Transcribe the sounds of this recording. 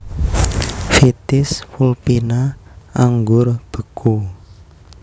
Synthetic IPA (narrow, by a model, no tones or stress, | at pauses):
fit̪ɪswulpinaaŋɡʊrb̥ə̤kʰu